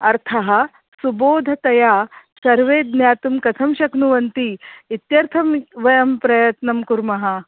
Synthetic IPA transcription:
ɐɾt̪ʰɐɦɐ̆ | suboːd̪ʱɐt̪ɐjaː | sɐɾʋeːd̪njaːt̪umkɐt̪ʰɐmʃɐknuʋɐnt̪iit̪jɐɾt̪ʰɐmʋɐjɐmpɾɐjɐt̪nɐmkuɾmɐɦɐ

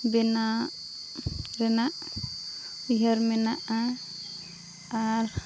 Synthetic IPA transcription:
bɛna | ɾɛnaʔ | uɦaɾmɛnaʔa | aɾ

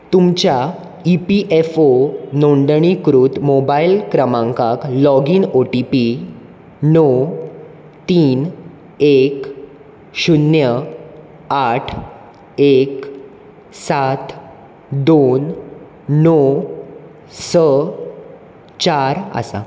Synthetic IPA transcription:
t̪umt͡ɕja | ipiʔefonoɳɖɳ̃ikɾut̪mobailkɾəmãŋkaklɔɡiːnoʈipi | nɔ | t̪iːn | ek | ɕunjə | aʈʰ | ek | sat̪ʰ | d̪onː | ɔ | sə | t͡ɕaɾə̰sa̰

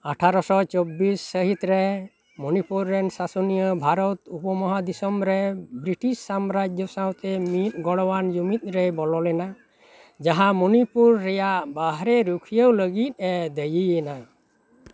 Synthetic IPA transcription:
aʈʰaɾɔsɔt͡ʃɔbisːəɦit̪ɾɛ | mɔnipuɾːɛnsasɔnijəbʱaɾɔt̪upɔmɔɦad̪isɔmɾɛbɾiʈisːamɾad͡ʒjɔsawt̪ɛmit̪̚ɡɔɽɔwand͡ʒumit̪̚ˀɾɛbɔlɔlɛna | d͡ʒaɦãmɔnipuɾːɛjaʔbaɦɾɛɾukʰijəwləɡit̪̚ˀɛd̪əjijɛna

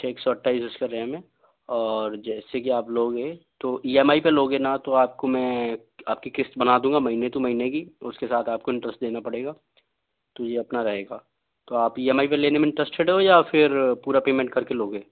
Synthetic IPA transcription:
ʈeːksɔəʈʰːaːizʊskeɾɛɦemẽ | ɔːɾd͡ʒɛːsekiaːploːɡɦɛ̃t̪oʔiːɛmaːipeloːɡenat̪oaːp̚komɛ̃ | aːp̚kikɪst̪bɐnad̪ũːŋɡamɐɦinet̪õmɐɦinekiʊskesaːt̪ʰaːp̚koɪ̃ɳʈɾəsʈd̪eːnapɐɽeːɡaː | t̪ojeɐpnaɾɐɦeːɡaː | t̪oaːpiːɛmaːipeleːnemẽɪ̃ɳʈɾəsʈeɖɦejafʰɪɾpuːɾapeːmẽɳʈ̚kɐɾkeloːɡẽː

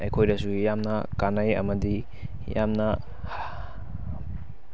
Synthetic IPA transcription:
ɐjkʰojdɐsujamnɐkanɐjɐ̰mɐdi | jamnɐ | h

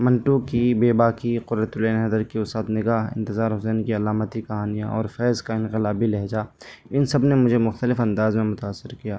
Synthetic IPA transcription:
mɐ̃ɳʈukibeːbaːkiqʊɾɾət̪ʊleːnɦɐd̪əɾkiʊst̪aːt̪nɪɡaːɦɪ̰̃nt̪ɪzaːɾɦʊsɛːnkiɐlaːmət̪ikɐɦaːnijãʔɔ̰ːɾfɛːzkaɪ̃nqɪlaːbilɛɦd͡ʒaːɪnsɐbnemʊd͡ʒʱemʊxt̪əlɪfɐ̃nd̪aːzmẽmʊt̪aːsːɪɾkijaː

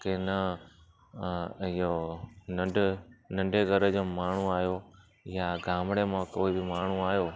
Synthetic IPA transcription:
kenã | ɪjonəɖnɐ̃ɳɖeɡʱəɾəd͡ʑoːmaːɳ̤ũaːijo | jaɡaːmɽemãkoːibɪmaːɳ̤ũaːjoː

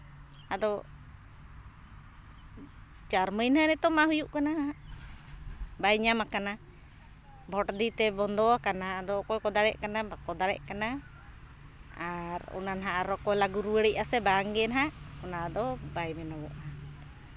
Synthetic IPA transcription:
ad̪ɔ | t͡ʃaɾməjnɦanɛt̪ɔmaɦujuʔkanaa | bajɲamakana | bʱɔʈd̪it̪ɛbɔnd̪ɔakanaːd̪ɔkɔjkɔd̪aɽɛʔkanabakɔd̪aɽɛ̰ʔkana | aɾɔ̰nanɦaʔaɾɔkɔjlaɡuɾuwəɽiʔasɛbaŋɡɛnɦaʔɔnad̪ɔbajmɛnawɔʔa

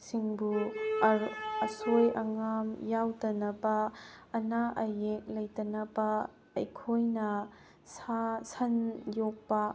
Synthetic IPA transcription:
siŋbu | əsɔjʔɐŋamjawtɐnɐpaːnaʔɐjɛk̚lɐjtɐnɐpaː | jkʰojnɐ | sasɐnjɔk̚pa

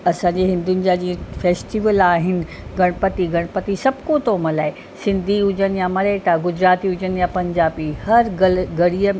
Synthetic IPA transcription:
ɐsãːɲd͡ʑeɦɪ̃nd̪ʊnɪ̆d͡ʑaːd͡ʑĩːə̃feːsʈiʋəlaːɦɪnɪ̆ | ɡɐɽ̃pət̪iɡɐɽ̃pət̪isɐbʱkot̪ʰomɐlaːe | sɪ̃nd̪ʱiʊd͡ʑənɪ̆jamɐɾeʈaɡʊd͡ʑɾaːt̪iʊd͡ʑənɪ̆japɐ̃ɲd͡ʑaːbihɐɾɡɡɐɽiə

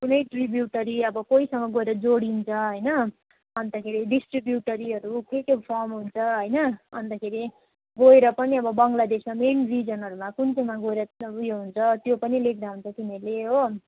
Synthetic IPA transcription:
kunʌjʈribjuʈʌɾiʌbʌkoisʌŋʌɡoeɾʌd͡zoɽint͡sʰʌɦʌjnʌ | ʌnt̪akʰeɾiɖisʈribjuʈʌɾiʌɾukʰekepʰʌrmɦunt͡sʰʌɦʌjnʌʌnd̪akʰeɾi | ɡoeɾʌpʌniʌbʌbʌŋɡlad̪esmamenrid͡zʌnɦʌɾumakunt͡sʌmaɡoeɾʌujeɦunt͡sʰʌt̪jopʌnilek̚ʰd̪aɦunt͡sʰʌk̪inʌleɦo

